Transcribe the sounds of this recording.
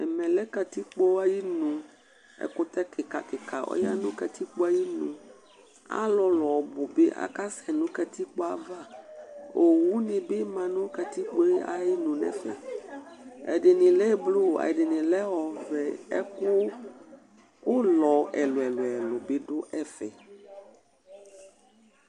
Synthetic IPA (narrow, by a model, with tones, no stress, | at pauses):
ɛ˨mɛ̃˨lɛ˦ka˨t̪i˦k͡po˦a˦ji˦nũ˨ | ɛ̰˦kʊ˦t̪ɛ˦kɪ˨ka˨kɪ˨ka˨ɔ̰˦ja̰˦nʊ̃˦ka˨t̪i˦k͡po˦a˦ji˦nṵ̃˨ | a̰˦lɔ˨lɔ˨bʊ˨be˦ʔa̰˨ka˦sɛ˨nũ˦ka˨t̪i˦k͡po˦a˦va˦ | o˨wu˦nĩ˨be˦mã˨nũ˦kɛ˨t̪i˦k͡po˦e˦a̰˨ji˦nũ˨nɛ̰̃˨fɛ̰˨ | ɛ̰˨ɖe˨nĩ˨lɛ˦blo˦˨a̰˨ɖe˨nĩ˨lɛ˦wɔ˨vɛ˨ɛ˦kʊ˦ | wo˦lɔ˨ɛ˨lʊ˨ɛ˨lo˨ɛ˨lʊ˨be˦ɖʊ˦ʔɛ˦fɛ̰˨